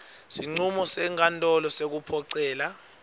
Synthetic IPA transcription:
siŋ͡ǀumɔsɛŋʰʼantʼɔlɔsek̬upʰɔǀɛːla

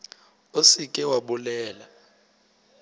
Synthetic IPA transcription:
osikʼɛwaɓulɛːla

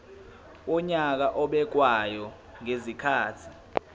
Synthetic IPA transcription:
wɔɲak̬aʔɔɓɛk̬wajɔ | ŋezikʰaːtʰi

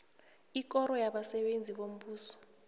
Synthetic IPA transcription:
ik̬ʼɔɾɔjaɓasɛɓend͡zʱiɓom̩ɓuːsɔ̥

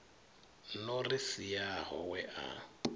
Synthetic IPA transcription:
nɔrisijaɦɔwɛʔa̰

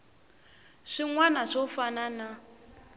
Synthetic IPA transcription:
ʂiŋwanaʂɔfanana

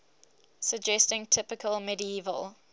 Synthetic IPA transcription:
səd͡ʒɛstɪ̃ŋtʰɪpɪkʰəlmɛdiiːvə̰lˠ

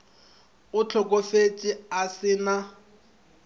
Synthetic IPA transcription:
ʊt͡ɬʰɔkʼofet͡ʃʼɪasɪna

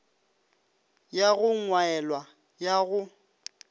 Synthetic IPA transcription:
jaɣʊŋwaɛlwa | jaɣʊ

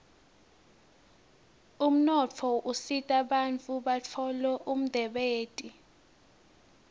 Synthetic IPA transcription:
um̩nɔt͡fʰɔʔusitʼaɓant͡fʼuɓat͡fʰɔlɛʔum̩d̥ʱɛɓeːtʼi

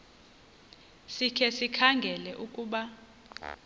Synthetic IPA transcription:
sikʰɛsikʰaŋɡʱɛlɛʔukʼuːɓa

